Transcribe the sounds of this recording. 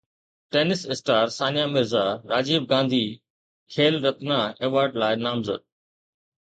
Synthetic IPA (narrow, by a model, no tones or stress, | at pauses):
ʈeːnɪsɪsʈaːɾsaːnjaːmɪɾzaɾaːd͡ʑiːb̚ɡãːnd̪ʱiː | kʰeːlɾɐt̪naeːʋaːɾɖlaːɪnaːmzə̰d̪̚